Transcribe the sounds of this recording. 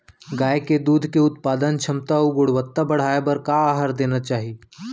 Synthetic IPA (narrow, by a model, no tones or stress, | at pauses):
ɡaːeked̪uːd̪ʱkeʊt̪̚paːd̪ənt͡ʃʰɐmt̪auɡʊɽ̤ʋət̪ːabɐɽ̤aːebɐɾkaaːɦəɾd̪eːnat͡ʃaːɦi